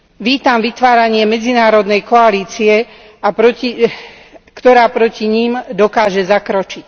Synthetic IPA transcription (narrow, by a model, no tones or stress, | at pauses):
ʋiːt̪amʋit̪ʋaːɾaɲɪɛmɛd͡zinaːɾɔd̪nɛjkɔaliːt͡siɛ | apɾɔci | kt̪ɔɾaːpɾɔciɲiːmd̪ɔkaːʒɛzakɾɔt͡ʃic